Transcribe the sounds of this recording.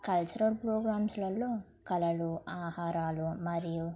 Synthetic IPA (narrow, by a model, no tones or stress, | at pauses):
kɐlt͡ʃɐɾɐpɾoːɡɾaːmslɐlːoː | kɐlɐluaːhaːɾaːlumɐɾiju